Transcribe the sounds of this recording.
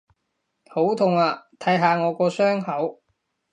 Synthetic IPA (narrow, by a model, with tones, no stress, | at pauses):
ho˨˥wt̪ʰʊ˨˩ŋaː˨˧t̪ʰɐ˨˥jɦaː˨˧ŋɔː˨˧kɔː˧sœː˥ŋhɐ˨˥w